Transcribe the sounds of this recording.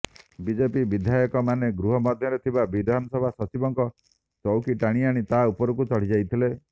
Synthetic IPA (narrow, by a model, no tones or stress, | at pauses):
bid͡ʒepibid̪ʱjajɔkɔmaneɡɾuɦɔmɔd̪ʱjɔɾet̪ʰibabid̪ʱanɔsɔbʱasɔt͡ʃibɔŋkɔ | t͡ʃɔwkiʈaɽ̃iaɽ̃it̪aupɔɾɔkut͡ʃɔɽ̤id͡ʒajt̪ʰile